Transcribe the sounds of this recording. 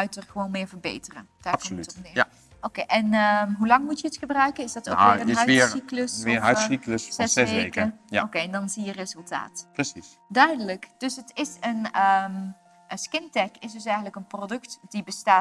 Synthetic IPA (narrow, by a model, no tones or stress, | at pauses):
œɥtərxəʋoːnmɪːɹvəɹbḛjtərə̰nd̥aːkltɔnɪː | okeʔɛnəɦulɑŋmutjəətxəbrœɥkənɪsdɑto̰əœsikləsmɪɦœɥsikləszɛsɛʋeekəjokejɛndɑnzijərezɵlˠta̰ːtprəsis | dœɥdələkd̥ɵsɦətɪsənəm | skɪntɛkɪsdɵsɛjɣəntləkənprodɵktd̥ibəstaː